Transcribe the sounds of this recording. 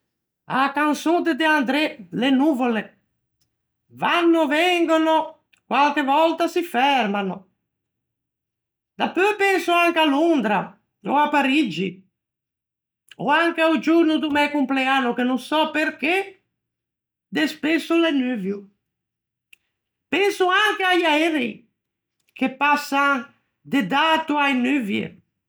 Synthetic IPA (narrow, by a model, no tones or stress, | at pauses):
a̰kansod̪ed̪eand̪ɾɛlenuvole | vanːovɛŋɡono | kwalkevɔlt̪asifɛɾmano | d̪apːøpɛnsuaŋkalund̪ɾa | o̰apːaɾid͡ʒi | o̰aŋkeud͡ʒuɾnud̪umɛkumpleanːukenuŋsɔpeɾke | d̪espesulenyvju | pɛnsuaŋkeajaɛɾi | kepasːaŋ | d̪ed̪at̪uajnyvjḛ